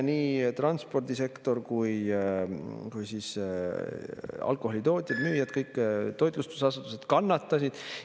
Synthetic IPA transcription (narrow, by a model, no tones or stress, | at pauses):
niːt̪rɑnspo̞rd̪ise̞kt̪o̞rkuj | kujsis | ɑ̰lkˑo̞ho̞lit̪o̞ːt̪ʲˑjɑd̪myːjɑd̪̚kɤjkːˑt̪o̞jt̪ˑlust̪u̥sɑsut̪use̞d̪̥kɑnːɑt̪ˑːɑsid̪̥